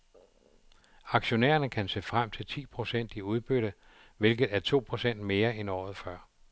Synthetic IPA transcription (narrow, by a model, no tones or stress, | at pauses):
ɑ̈ɡ̥ɕo̝nḛːɐnəkʰænse̝̰ːfʁam̰t͡sʰe̝lt͡sʰḭːpʰʁo̝sen̰d̥iuð̞ˠb̥øɾ̥ə | ʋe̝lɡ̥ð̞̩ˠæɐt͡sʰo̝̰ːpʰʁo̝sen̰d̥me̝ːɐenɒ̰ːð̩ˠfɶɐ̰